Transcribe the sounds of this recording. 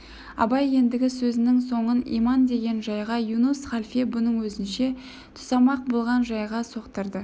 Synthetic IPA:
ɑ̰bɑje̞nd̪ɪɡʲɪsɵzɪnɪŋso̞ɴənḭmɑnd̪e̞ɡʲe̞nʒɑjʁɑjunusχalʲfebʊnəɴwɵzɪnʃe̞ | t̪ʰʊ̥sɑmɑq̚bolˠʁɑnʒɑjʁɑso̞qt̪əɾd̪ə

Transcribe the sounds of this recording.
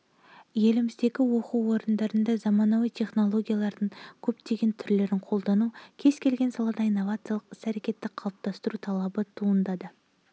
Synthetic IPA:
je̞lɪmɪzd̪e̞ɡʲɪwo̞quwo̞ɾənd̪ɑɾənd̪ɑzɑmɑnɑwijt̪ʲʰe̞χno̞lˠo̞ɡʲijalˠɑɾd̪əɴkʲʰɵpt̪e̞ɡʲe̞nt̪ʰʏɾle̞ɾɪŋqʰo̞lˠd̪ɑnukʲʰe̞z̥kʲʰe̞lɡʲe̞nsɑlˠɑd̪ɑijnːo̞vat̪sɨjaɑlˠəqɪ̥sæɾe̞kʲe̞t̪ːɪqʰɑlˠəp̚t̪ɑst̪əɾut̪ʰɑlˠɑbət̪ʰuənd̪ɑd̪ə

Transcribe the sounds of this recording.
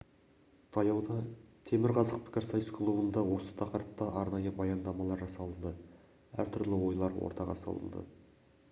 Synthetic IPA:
t̪ʰɑjɑwd̪ɑt̪ʰe̞mɪɾʁɑzəq̚pʰɪ̥kʲɪɾsɑjəskʰlˠubənd̪ɑwo̞sə̥t̪ʰɑqəɾəp̚t̪ɑʔɑɾnɑjəbɑjɑnd̪ɑmɑlˠɑɾʒɑsɑlˠənd̪ə | æɾt̪ʰʏɾlɪwo̞jlˠɑɾwo̰ɾt̪ɑʁɑ̰sɑ̰lˠə̰nd̪ə̰

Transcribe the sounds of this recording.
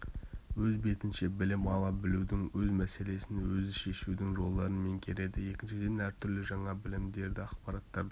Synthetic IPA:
wɵzbe̞t̪ɪnʃe̞bɪlɪmɑlˠɑbɪlud̪ɪŋwɵzmæse̞le̞sɪnwɵzɪʃe̞ʃud̪ɪŋʒo̞lˠːɑɾənme̞ŋkʲʰe̞ɾe̞d̪ɪje̞kʲɪnʃɪd̪e̞næɾt̪ʰʏɾlɪʒɑɴɑbɪlɪmd̪e̞ɾd̪ɪɑqpɑɾɑt̪ːɑɾd̪

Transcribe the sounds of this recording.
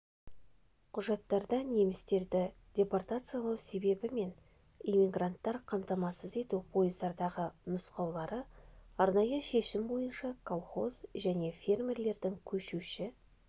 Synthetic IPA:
qʰʊʒɑt̪ːɑɾd̪ɑne̞mɪst̪e̞ɾd̪ɪ | dʲe̞port̪at̪sɨjalˠɑwse̞be̞bɪme̞n | emiɡrant̪ːɑɾqʰɑmt̪ɑmɑsəze̞t̪upʰo̞jəzd̪ɑɾd̪ɑʁənʊsqɑwlˠɑɾəɑɾnɑjəʃe̞ʃɪmbo̞jənʃɑkʰolˠχo̞zʒæne̞fʲe̞rmʲe̞rle̞ɾd̪ɪŋkʲʰɵʃuʃɪ

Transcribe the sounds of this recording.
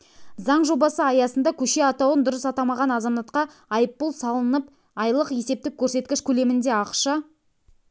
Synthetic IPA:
zɑɴʒo̞bɑsəɑjɑsənd̪ɑkʲʰɵʃe̞ɑt̪ɑwənd̪ʊɾəsɑt̪ɑmɑʁɑnɑzɑmɑt̪̚qɑ | ɑjəpːʊlˠsɑlˠənəp | ɑjlˠəqje̞se̞p̚t̪ɪk̚ʲʰːɵɾse̞t̪kʲɪʃkʲʰɵle̞mɪnd̪e̞ɑqʃɑ

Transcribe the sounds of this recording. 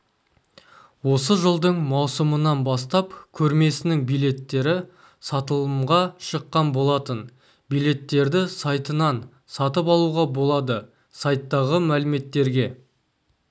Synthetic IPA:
wo̞səʒəlˠd̪əɴmɑwsəmənɑnbɑst̪ɑpkʲʰɵɾme̞sɪnɪŋbijlʲe̞t̪ːe̞ɾɪ | sɑt̪əlˠəmʁɑʃəqːɑnbo̞lˠɑt̪ən | bijlʲe̞t̪ːe̞ɾd̪ɪsɑjt̪ənɑn | sɑt̪əp̬ɑlˠuʁɑbo̞lˠɑd̪ə | sɑjt̪ːɑʁəmælɪme̞t̪ːe̞ɾɡʲe̞

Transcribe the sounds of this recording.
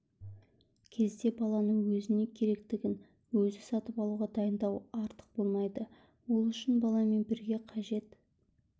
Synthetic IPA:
kʲʰe̞zd̪e̞bɑlˠɑnəŋwɵzɪne̞kʲʰe̞ɾe̞kt̪ɪɡʲɪn | wɵzɪsɑt̪əpɑlˠuʁɑd̪ɑjənd̪ɑwɑɾt̪ə̥q̚bo̞lˠmɑjd̪ə | wo̞lˠʏʃɪnbɑlˠɑme̞nbɪɾɡʲe̞qʰɑʒe̞t̪

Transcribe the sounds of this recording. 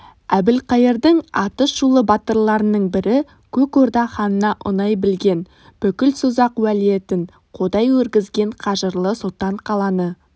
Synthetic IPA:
æbɪlqʰɑjəɾd̪əɴɑt̪əʃʒulˠəbɑt̪əɾlˠɑɾənəɴbɪɾɪ | kʲʰɵkoɾd̪ɑχɑnənɑʔʊ̰nɑjbɪlɡʲe̞n | b̥ɵkʲɪlsʊzɑqwælije̞t̪ɪɴ | qʰo̞d̪ɑjwɵɾɡʲɪzɡʲe̞ɴqʰɑʒəɾlˠəsot̪ːɑɴqʰɑlˠɑnə

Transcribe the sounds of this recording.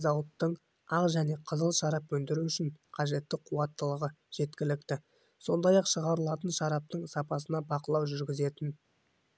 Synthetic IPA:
zɑwət̪ːəɴ | ɑqʒæne̞qʰəzəlˠʃɑɾɑpɵnd̪ɪɾuʏʃɪɴqʰɑʒe̞t̪ːɪqʰuwɑt̪ːəlˠəʁə | ʒ̥e̞t̪kʲɪlɪkt̪ɪ | so̞nd̪ɑjɑqʃəʁɑɾəlˠɑt̪ənʃɑɾɑp̚t̪əɴsɑpɑsənɑbɑqəlˠɑwʒʏɾɡʲɪze̞t̪ɪn

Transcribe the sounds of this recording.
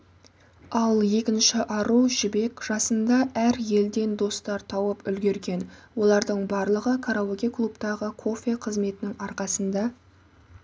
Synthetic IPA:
ɑlˠje̞kʲɪnʃɪʔɑɾuʒɪbe̞kʒ̥ɑsənd̪ɑæɾje̞ld̪e̞nd̪o̞st̪ɑɾt̪ʰɑwəpʏlɡʲe̞ɾɡʲe̞nwo̞lˠɑɾd̪əɴbɑɾlˠəʁəkʰaɾawoɡʲekʰlˠupt̪ɑʁəkʰo̞fʲe̞qʰəzme̞t̪ɪnɪŋɑɾqɑsənd̪ɑ

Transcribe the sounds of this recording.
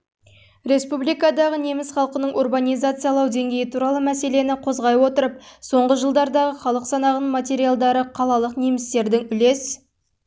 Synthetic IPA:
ɾe̞spublijkad̪ɑʁənemɪsχɑlˠqənəɴʔorbanʲijzat̪sɨjalˠɑwd̪e̞ŋɡʲe̞jɪt̪ʰuɾɑlˠəmæse̞le̞nɪqʰo̞zʁɑjwo̞t̪əɾəp̚so̞ɴʁəʒəlˠd̪ɑɾd̪ɑʁəχɑlˠəqsɑnɑʁənmat̪ʲe̞ɾijalˠd̪ɑɾəqʰɑlˠɑlˠəqnemɪst̪e̞ɾd̪ɪŋʏle̞s

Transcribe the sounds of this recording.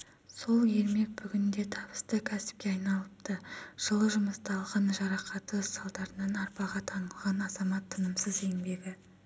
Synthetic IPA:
so̞lˠje̞lme̞k̚bʏɡʲɪnd̪e̞t̪ʰɑbəst̪əkʲʰæsɪ̥p̚kʲeɑjnɑlˠəpt̪əʒ̥əlˠəʒʊməst̪ɑlˠʁɑnʒɑɾɑqɑt̪əsɑlˠd̪ɑɾənɑnɑɾpɑʁɑt̪ʰɑnəlˠʁɑnɑzɑmɑt̪ʰːənəmsəze̞ŋbe̞ɡʲɪ

